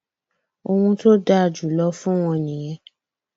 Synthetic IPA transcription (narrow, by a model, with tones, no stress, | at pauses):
o˧wũ˧to˦da˦˨d͡ʒu˨lɔ˧˦fũ˦w̃ɔ̃˧nĩ˨j̃ɛ̃˧˦